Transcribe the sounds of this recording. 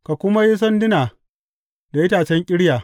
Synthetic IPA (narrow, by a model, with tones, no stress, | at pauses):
ka˨kʷʊ˦ma˦ji˦s̬ɐ˦ndɪ˦naː˨ | da˨ɪ˦taː˨t͡ʃɛ˦ŋkʲʼɪ˦ɽjaː˨